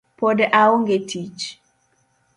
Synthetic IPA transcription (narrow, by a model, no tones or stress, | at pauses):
pɔdʔaoŋɡetʰit͡ʃ